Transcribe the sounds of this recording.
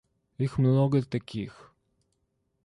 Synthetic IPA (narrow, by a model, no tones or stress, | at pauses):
ixmlɔɡət̪ːɐkʲʰix